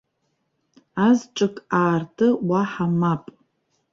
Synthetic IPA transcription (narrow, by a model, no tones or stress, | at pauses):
azʈ͡ʂʼɨkʼaːrtʰʼɨwaħamapʼ